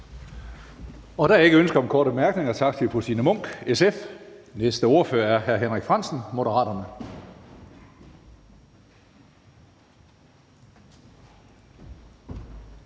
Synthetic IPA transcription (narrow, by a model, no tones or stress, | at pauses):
ɒ̽ɾ̥æe̝ɡ̥əønsɡ̥ɐɒ̽mkʰɒːɾ̥əb̥emæɐɡ̥ne̝ŋɐt͡sʰɑ̈ɡ̥̚t͡sʰepʰosinəmɔ̽ŋ̰ɡ̥esefnesd̥əo̝ɐføːɐæɐɦæɐɦenʁeɡ̥fʁɑn̰sn̩mo̝ɾəʁɑ̰̈ːɾɐnə